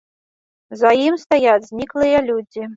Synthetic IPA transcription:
zajimst̪ajad͡zʲzʲnʲiklˠɨjɐlʲud͡zʲi

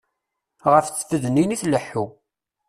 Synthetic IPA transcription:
ʁəfθəfəðniniθləħːu

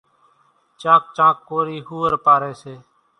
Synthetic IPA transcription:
t͡ʃãːk̚t͡ʃãːkːoːɾiːɦuːəɾpaːɾeːseː

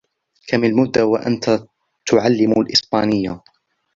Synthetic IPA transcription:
kʰamalmʊd̪ːawaʔa̰nt̪a | t̪ʊʕalːɪmlʔɪsbaːnɪjːa

